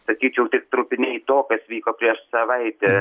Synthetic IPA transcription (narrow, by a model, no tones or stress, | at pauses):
sɐkʲiːt͡ʃʲɛʊt̪ʲɪkt̪ɾʊpʲɪnʲɛt̪oːkɐsʋʲiːkoːpʲɾʲiɛʃsɐʋɐɪt̪ʲɛː